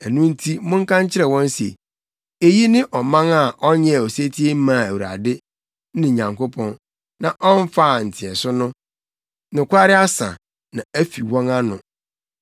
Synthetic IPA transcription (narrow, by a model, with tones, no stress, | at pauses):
æ˨nũ˦n̩˦tʰi˦mʊ̃˦ŋ˦kã˦ɲ˦t͡ɕʰɪ˦ɾɛ˨wɔ̃˦n˦sḛ˨ | e˦˨ji˦nɪ̃˦ʔɔ˨mã˦ŋa˨ʔɔ˦ɲɛ̃˦˨ɔ˨se˦tʰi˦e˦m̩˦mã˨æ˨wu˨ɾa̰˨dɪ˦ | nɪ̃˨ɲã˨ŋko˦pʰɔ̃˦n | nã˨ʔɔ˦n˦fa˦˨n̩˨tʰɪ˨ɛ˨sʊ˦nʊ̃˦ | nɪ̃˨kʷa˦ɾɪ˦a˦sã̰˨ | nã˨æ˦fi˨wɔ̃˦na˦nʊ̃˨